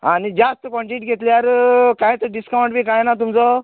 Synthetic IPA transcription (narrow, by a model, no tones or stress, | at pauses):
ãnid͡ʑast̪kɔ̃ɳʈiʈɡʱet̪liaɾkãjt̪əɖiskawɳʈbʱiːkajnat̪umt͡sɔ